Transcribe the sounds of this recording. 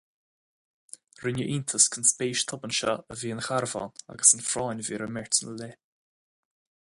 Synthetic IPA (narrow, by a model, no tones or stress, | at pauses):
ɾɪnʲəʔiːnt̪ʰəskʰənspeːʃt̪ʰʊbənʃa̰əviːənxaɾvɔ̰ːna̰ɡəsənfɾɔːnʲviːɾəmɛɹtənəle